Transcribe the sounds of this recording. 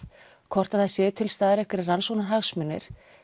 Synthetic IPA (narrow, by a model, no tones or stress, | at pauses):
kʰɔr̥t̪aðθaðsjɛːðt̪ʰɪlst̪aːðɪɾɛhkʏɾɪransownaɾɦaɣsmʏnːɪ̰ɾ̥